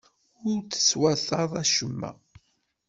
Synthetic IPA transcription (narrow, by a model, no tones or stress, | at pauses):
ʊɾt͡sːə̥swæθɑðˤæʃəmːæ̰